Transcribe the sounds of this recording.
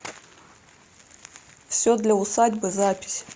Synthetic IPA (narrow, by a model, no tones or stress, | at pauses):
fsʲod̪lʲɐʊsadʲbɨzapʲɪ̥sʲ